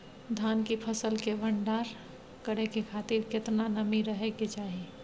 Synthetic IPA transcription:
d̪ʱankipʰəsəlkebʱəɳɖaɾ | kəɽekekʰat̪iɾket̪nanəmiɾəɦeket͡ʃaːɦi

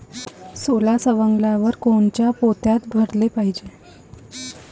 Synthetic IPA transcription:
solasəʋəŋɡlaʋəɾkoɳt͡ɕjapot̪jat̪ɡʱəɾlepaɦid͡ʑe

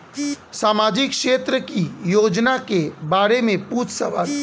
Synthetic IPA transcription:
saːmaːd͡ʒɪkʃeːt̪ɾəkijoːd͡ʒnakebaːɾemẽpuːtsəʋaːl

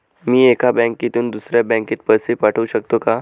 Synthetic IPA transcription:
miːekʰabɛ̃ŋkit̪uːnd̪usɾjabɛ̃ŋkiːt̪pəsipaʈʰəʋuɕəkt̪oka

